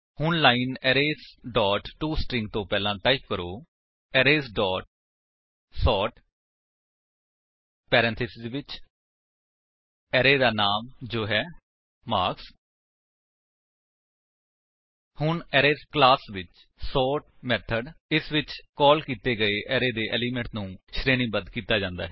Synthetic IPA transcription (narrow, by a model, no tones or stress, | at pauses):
hʊɳlaːinɛːɾeːsɖɔːʈʈːuːsʈɾɪ̃ŋɡ̚t̪õːpɛːlãːʈaːip̚kəɾoː | ɛːɾeːsɖɔːʈ̚ | sɔːʈ | pɛːɾɛ̃nt̪ʰɪsɪzʋɪt͡ʃ | ɛːɾeːd̪aːnaːmd͡ʒoːɦɛː | maːɾks | hʊɳɛːɾeːsklaːsʋɪt͡ʃ | sɔːʈ̚mɛːt̪ʰəɖɪsʋɪt͡ʃkɔːlkiːt̪eːɡəeːʔɛːɾeːd̪eːʔɛːliːmɛ̃ɳʈnũːʃɾeːnĩːbənd̪kiːt̪aːd͡ʒãːnd̪aːɦɛː